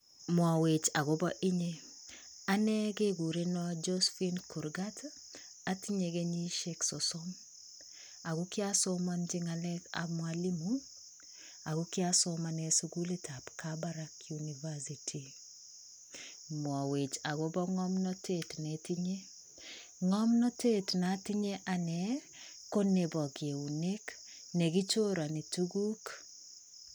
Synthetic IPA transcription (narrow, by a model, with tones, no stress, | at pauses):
mwɔ˨we˨t͡ʃa˨ɡo˦bɔ˦ʔi˦ɲe˦ | a˦nɛ˦ɡe˦ɡu˨ɾe˦nɔd͡ʒo˦sfi˦nku˨ɾɡa˦t | a˦ti˦ɲe˨ɡe˦ɲi˦ʃe˦ksɔ˨so˦m | a˨ɡu˦kɪ˦a˦so˦ma˦nd͡ʒɪ˦ŋa˨lɛ˦ka̰˨mwa˦li˦mu | a˨ɡu˦kjaso˦ma˨nɛ˨su˦ɡu˦le˦tʰa˨pkabaɾa˦kjuni˨va˦sitʰi˨ | mwɔ˨we˨t͡ʃa˨ɡo˦bɔ˦ŋɔ˦mnɔ˦te˨tnɛti˦ɲe˦ | ŋɔ˦mnɔ˦te˦tna˨ti˦ɲe˦ʔa˨nɛ˨ | ko˦ne˨bɔ˨ɡje˨u˨ne˦k | ne˨ɡi˦t͡ʃo˦ɾa˨ni˨tu˦ɡu˦k